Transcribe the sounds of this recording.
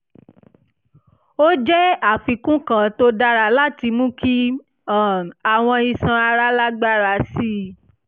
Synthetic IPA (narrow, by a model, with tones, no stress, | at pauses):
o˦d͡ʒɛ˦a˦˨fi˧kũ˦kã˨to˧da˧ɾa˧la˦ti˧mũ˦kʰi˦ | a˦˨a˨w̃ɔ̃˧i˧˨sã˧a˧ɾa˧˦la˦ɡ͡ba˦ɾa˧˨si˦